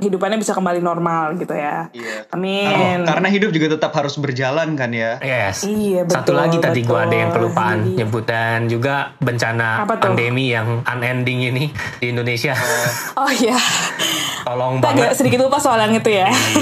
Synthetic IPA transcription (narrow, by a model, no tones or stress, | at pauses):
hidupanɲabisakəmbalinɔrmalɡit̪uja | amɪnkaɾənaɦidʊp̚d͡ʒuɡat̪ət̪apɦaɾʊsbərd͡ʒalankanjajɛsijabəsat̪ulaɡit̪adiɡuaːdajaŋkəlupaanɲəbut̪and͡ʒuɡabəɲt͡ʃanaapat̪pandemijaŋanɛndɪŋini | diːndonesia | ɔhja | t̪ɔlɔŋaɡasədikɪt̪̚ɡupasoalaŋit̪uja